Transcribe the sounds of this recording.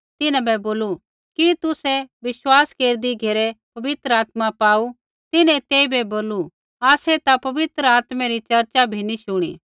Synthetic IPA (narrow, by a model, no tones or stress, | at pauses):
t̪ɪnɛ̃bɛboːlu | kit̪ʊsɛʋɪʃwaːskeːɾd̪iɡʱeːɾepɐʋɪt̪ɾəaːt̪mapaːu | t̪ɪnɛ̃t̪eːibɛboːlu | aːset̪apɐʋɪt̪ɾəaːt̪mɛɾit͡ʃɐɾt͡ʃabʱiniʃʊɽ̃ḭː